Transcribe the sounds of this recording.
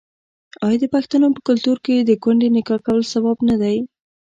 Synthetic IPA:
ɑjd̪əpaxt̪anopə̥kʊlt̪uɾked̪əɡwaɳɖenɪkɑkawəlsabɑbnad̪aj

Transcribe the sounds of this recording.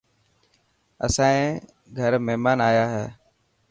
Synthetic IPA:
əsãːẽː | ɡʱəɾməɦmaːnaːjaːɦɛː

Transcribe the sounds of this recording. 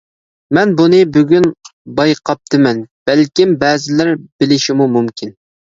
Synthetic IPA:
mɛnbunɨbyɡʲynbɑjqʰɑp̚t̪ʰɨmɛnb̥ɛlkʲimbɛːzɪlæɾbɪlɪʃimumumkʲʰin

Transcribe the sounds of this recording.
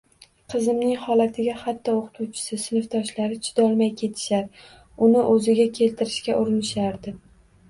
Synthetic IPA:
qʰɨzɪmnɪŋhɒlat̪ʰɪɡʲahat̪ʰːɒoqʰɨ̥t̪ʰuwt͡ʃʰɪ̥sɪsɪnɪft̪ʰɒʃlaɾɪt͡ʃʰɪ̥d̪ɒlˠmajkʲʰe̞t̪ʰɪ̥ʃaɾ | ʊnɪʔɵzɪɡʲakʲʰe̞lt̪ʰɪɾɪʃkʲaʔʊɾɪnɪʃaɾd̪ɪ

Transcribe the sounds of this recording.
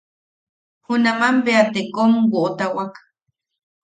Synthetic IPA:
hunamambeat̪ekomwoʔt̪awak

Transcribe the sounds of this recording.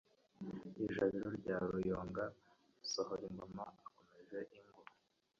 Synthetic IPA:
iʒaβiɾoɾɟaːɾujoːŋɡa | isohoɾiŋɡomaako̞me̞ʒe̞ʔiŋɡo

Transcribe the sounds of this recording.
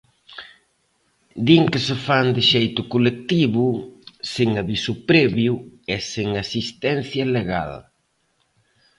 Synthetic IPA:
d̪iŋkɪsɪfand̪ɪʃejt̪ʊkolek̚t̪iβʊsiŋaβisʊpɾɛβjʊɛsiŋasist̪ɛn̟θjɐleɣa̰l

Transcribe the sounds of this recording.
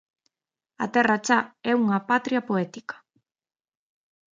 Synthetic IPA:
a̰t̪erat͡ʃaɛuŋapat̪ɾiapoet̪ikḁ

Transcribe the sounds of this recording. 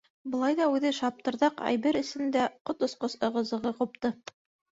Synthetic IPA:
bɤ̆lˠɑjðɑʉðɘʃɑp̚t̪ɤ̆ɾðɑqæ̰jβɘɾɘ̆sɘ̆nd̪æqot̪ŏsqosɤ̆ʁɤ̆zɤ̆ʁɤqup̚t̪ɤ

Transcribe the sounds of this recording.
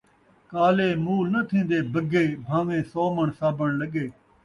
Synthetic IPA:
kaːleːmuːlnət̪ʰĩːnd̪eːbəɡeːbʱãːʋẽːsɔːməɳsaːbəɳləɡeː

